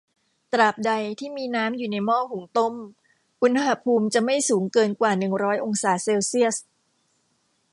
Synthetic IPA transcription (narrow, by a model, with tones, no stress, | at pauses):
t̪ɾaː˨˩p̚da˧jt̪ʰiː˥˩miː˧naː˦˥mjuː˨˩na˧jmɔː˥˩hu˩˦ŋt̪o˥˩m | ʔu˧nha˧ha˧pʰuː˧mt͡ɕa˨˩ma˥˩jsuː˩˦ŋkɤː˧nkwaː˨˩nɯ˨˩ŋɾɔː˦˥jʔo˧ŋsaː˩˦seː˧wsi˥˩əs